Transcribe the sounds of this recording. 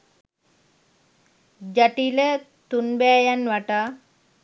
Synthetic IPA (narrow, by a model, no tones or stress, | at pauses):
d͡ʒaʈilə | t̪unbɛːjanʋaʈa